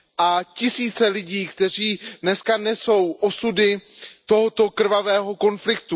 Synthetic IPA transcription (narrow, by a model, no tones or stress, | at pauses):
ʔacɪsiːt͡sɛlɪɟiːkt̪ɛr̝iːdnɛskanɛso̞wʔosudɪt̪o̞ɦot̪o̞kr̩vavɛːɦo̞ko̞nflɪkt̪u